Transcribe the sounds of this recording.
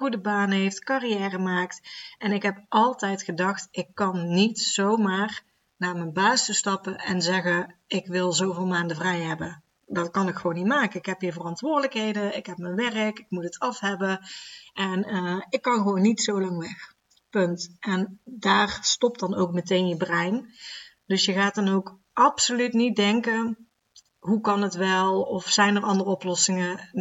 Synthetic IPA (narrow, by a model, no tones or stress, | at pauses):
χudəbaːnɦejftkarijɛːrəmaːktɛnɪkɦɛp̚ʔɑlˠtɛjtχədɑxtɪkːɑnːitsowmaːr | naːmənbaːstəstɑpəʔɛnzɛɣəɪkʋɪlˠzowvɪːlˠmaːndəvrɛjɦɛbə | dɑtkɑnɪkxəʋownːitmaːkənɪkɦɛpɦivərɑntʋʊːrdələkɦejdəɪkɦɛpmənʋɛrəkɪkmutətɑfɦɛbəʔɛnəɪkːɑnɣəʋownːitsowlɑŋʋɛx | pɵntɛndaːrstɔp̚dɑnowk̚mətejnjəbrɛjn | d̥ɵsjəɣaːtdɑnowk | ʔɑpsolytnit̚dɛŋkə | ɦukɑnətʋɛlˠɔfsɛjnərɑndərəɔplɔsɪŋə